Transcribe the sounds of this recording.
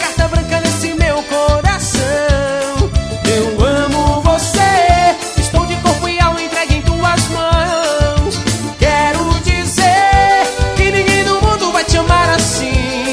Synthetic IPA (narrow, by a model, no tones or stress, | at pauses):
kaʃt̪abɾɐ̃kɐ̃d̪ẽsɪ̃mewkoɾasɐ̃ | ewɐ̃mʊvose | ɪst̪ɐ̃w̃d͡ʒɪkoɾpʊɪaw̃ẽt̪ɾɛɡẽj̃t̪uɐzmɐ̃w̃s | kɛɾʊd͡ʒizeɾkɪnĩŋɡẽj̃d̪ʊmũnd̪ʊvajt͡ʃɪɐ̃maɾas | ĩ